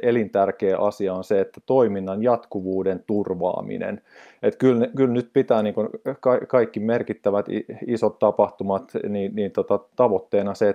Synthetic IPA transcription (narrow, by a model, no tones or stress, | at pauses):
elint̪ærkeːʔɑsiɑonseet̪ːæt̪oiminːɑnjɑt̪kuʋuːdent̪urʋɑ̰ːmḭnḛn | et̪kylnekylnyt̪̚pit̪æːniːŋkunkɑikɑikːimerkit̪ːæʋæt̪iisot̪t̪ɑpɑht̪umɑt̪niːnniːnt̪ot̪ɑt̪ɑʋot̪ːeːnɑse